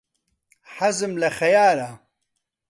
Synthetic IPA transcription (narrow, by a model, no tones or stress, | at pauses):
ħazɨmlɐxɐjaːla